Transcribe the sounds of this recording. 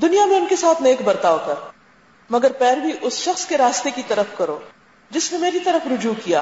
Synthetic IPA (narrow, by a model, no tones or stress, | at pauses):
d̪ʊnijamẽʊnkesaːt̪ʰneːkbɐɾt̪aːokɐɾ | mɐɡəɾpɛːɾbʱiʔʊsʃɐxskeɾaːst̪ekit̪ɐɾəfkɐɾo̰ː | d͡ʒɪsnemeːɾit̪ɐɾəfɾʊd͡ʒuːkija̰ː